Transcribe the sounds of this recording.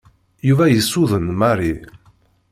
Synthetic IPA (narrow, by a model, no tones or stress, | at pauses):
juvæjəsːuðənmɑri